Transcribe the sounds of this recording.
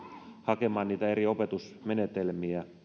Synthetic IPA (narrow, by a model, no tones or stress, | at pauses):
hɑke̞mɑːnniːt̪æeɾio̞pe̞t̪usmenet̪elmiæ